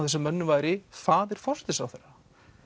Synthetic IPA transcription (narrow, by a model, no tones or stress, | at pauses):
wθɛsːamɛnːʏvaːjɾɪfaːðɛɾ̥fɔst̪ɪsawθɛɾːa